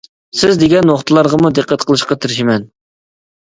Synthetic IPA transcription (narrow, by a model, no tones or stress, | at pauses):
sɪzd̪eɡʲɛnwoχt̪ʰɨlˠɑɾʁəmud̪ɨqʰːæt̪̚qʰəlˠɨʃqɑt̪ʰɪɾɪʃimɛn